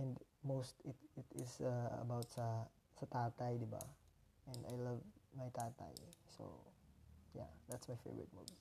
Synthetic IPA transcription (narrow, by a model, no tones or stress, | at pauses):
ɛ̃nmostɪtɪtɪsəə̰bawtsə | sətatajdiba̰ | ɛ̃na̰jlʌvmajtata̰jso̰ | ja̰d̪ætsmajfḛvɹə̰t̚mṵvi